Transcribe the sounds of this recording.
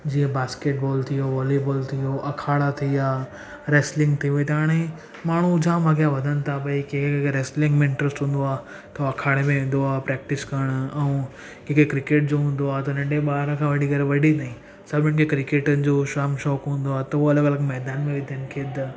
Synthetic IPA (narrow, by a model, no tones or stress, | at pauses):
d͡ʑiːə̃baːskeːʈ̚bɔːlt̪ʰijoʋɔːleboːlt̪ʰijoʔɐkʰaːɽat̪ʰiaː | ɾeːslɪ̃ŋɡt̪ʰijuet̪ɐaːɽ̃e | maːɳ̤ud͡ʑʱaːmɐɡijaʋɐd̪ʱənɪ̆t̪ʰapɐikekkekɾeːslɪ̃ŋɡmɪ̃ɳʈɾəsʈɦũːn̆d̪oaː | t̪ɐɐkʰaːɽ̃emẽʋẽːn̆d̪oaːɦpɾɛːk̚ʈɪskɐɾɽ̃ʊɛ̃ũ | keːkekɾɪkeːʈ̚d͡ʑoɦũːn̆d̪oaːt̪ɐnɐ̃ɳɖeɓaːɦɾə̃kʰãːʋɐɖʱikɐɾeʋɐɖʱit̪aːĩ | sɐbɪ̃ɽ̃kʰekɾɪkeːʈənɪ̆d͡ʑoːʃaːmʃɔːkɦũːn̆d̪oaːt̪ɐoɐləɡɐləɡmɛːd̪aːnmẽʋɪ̃d̪ʱijənɪ̆kʰeːd̪ɐ